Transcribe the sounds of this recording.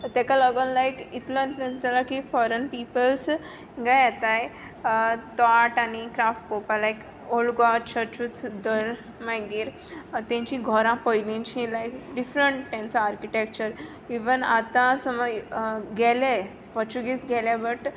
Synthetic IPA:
t̪akaləɡənlajkit̪lãinɾə̃sd͡zalakifɔɾənpipəls | ɡajat̪aj | t̪aʈanikɾafʈ̚popalajk | olɡat͡ɕʰət͡ɕut͡sd̪əɾ | majɡiɾ | t̪ãɲt͡ɕĩɡʱɔɾãpəjlĩt͡ɕĩlajkɖifɾəɳʈt̪ãnt͡saːɾkiʈek̚t͡ɕəɾ | iʋənat̪ãsəməɡɛle | pɔt͡ɕuɡit͡sɡɛlabəʈ

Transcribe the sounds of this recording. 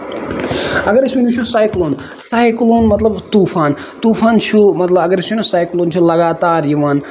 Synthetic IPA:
ɐɡəɾisunʲut͡ʃʰusaːjkloːn | saːjkloːnmɐt̪lɐbt̪upʰaːn | t̪upʰaːnt͡ʃʰumɐt̪lɐbɐɡəɾisinusaːjkloːnt͡ʃʰulɐɡaːt̪aːɾjiʋaːn

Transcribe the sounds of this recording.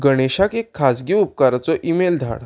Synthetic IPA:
ɡəɽ̃eɕakekʰːasɡiːup̚kaɾat͡sɔʔimeld̪ʱa̰ɽ

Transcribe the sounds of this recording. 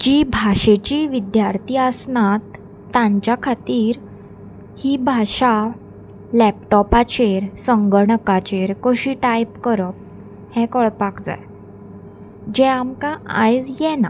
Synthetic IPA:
d͡ʑibʱaɕet͡ɕiʋid̪jaɾt̪ʰiːəsnat̪ː | ãɲt͡ɕjakʰat̪iːɾ | hiːbʱaɕa | lɛp̚ʈɔpat͡ɕeɾsəŋɡəɾɳəkat͡ɕeɾkəɕiʈajpkəɾəp̚ | hɛ̃kɔɭpakd͡za̰j | d͡ʑɛ̃amkaa̰jd͡zjɛna̰

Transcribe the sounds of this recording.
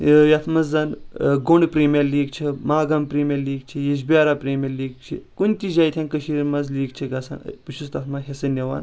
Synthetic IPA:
jɐt̪ʰmɐzːɐnɡoɳɖpɾiːmʲijɐɾliːɡt͡ʃʰimaːɡɐmpɾiːmʲjɐɾliːɡ̚t͡ʃʰijeʃ̬bʲaːɾapɾiːmʲɐɾliːɡ̚t͡ʃʰḭkunʲt͡ʃʲid͡ʒaːjt̪ʰʲjɐnkɐʃiːɾmɐzliːɡt͡ʃʰiɡɐsɐ̰n̰puʃʰust̪ɐt̪ʰmɐɦesɐnʲɐʋa̰ːn

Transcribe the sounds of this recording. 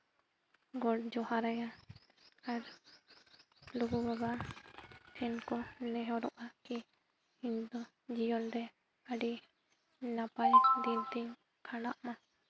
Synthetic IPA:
ɡɔʈ̚d͡ʒɔhaɾɛja | aɾ | luɡubaɡa | t̪ʰɛnkɔnɛɦɔɾɔʔaki | iɲd̪ɔ | d͡ʒijɔnɾɛ | əɖi | napajd̪int̪iɲ | kʰaɽaʔma

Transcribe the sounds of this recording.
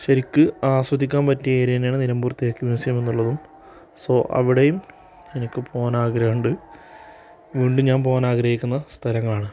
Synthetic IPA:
ɕɐɾikʲːɨaːswɐd̪ʱikʲːaːnpɐtːieːɾijnjaːɳɨniɾɐmbuːrt̪ːijokːiʋiʋɐsɐjɐme̞nːuɭːɐðum | soʔɐ̰ʋiɽejum | enikʲːɨpʰo̞ːnaːɡɾɐjuɳɖɨ | ʋiːɳɖumɲaːnpo̞ːnaːɡɾɐhikʲːunːɐst̪ʰɐlɐŋːɐɭaːɳɨ

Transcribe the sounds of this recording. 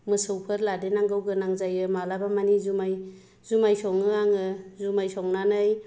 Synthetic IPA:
mɯsɯwpʰɯɾladenaŋɡɯwɡɯnaŋzajɯmalabamanizumaj | zumajsɔŋɯaŋɯzumajsɔŋnanɯj

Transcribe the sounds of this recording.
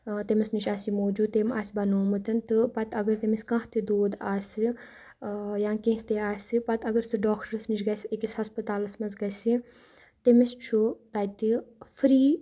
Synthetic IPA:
t̪emɐsnit͡ʃʰʲaːsimoːd͡ʒuːd̪̚t̪emaːsibɐnoːmɨt̪ɐnt̪ɨpɐt̪ɐɡɐɾt̪emisʲkãːɦt̪ed̪oːd̪aːsʲi | jãːkẽɦt̪eaːsʲipɐt̪ɐɡɐɾsɨɖaːkʰʈəɾɐsnit͡ʃʰʲɡɐsekisʲhɐspɐt̪aːlɐsmɐsɡɐsi | t̪emist͡ʃʰut̪aːjt̪ifɾiː

